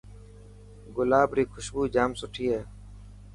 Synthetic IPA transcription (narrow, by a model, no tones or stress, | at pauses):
ɡʊlaːbɾiːkʰʊʃbuːd͡ʒaːmsʊʈʰiːɦeː